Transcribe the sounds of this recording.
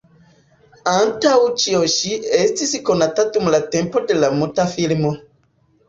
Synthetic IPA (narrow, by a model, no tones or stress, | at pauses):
antawut͡ʃioʃiestisikonatatumulatempodelamutafilmo